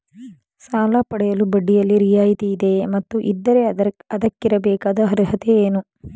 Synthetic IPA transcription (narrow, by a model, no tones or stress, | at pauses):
saːlaːpɐɽɛjɐlubɐɖːijɐlːiɾijaːjit̪iid̪e̞mɐt̪ːuʔḭd̪ːɐɾe̞ɐd̪ɐkːiɾɐbɛːkaːd̪ɐɦɐɾɐɦɐt̪eeːnu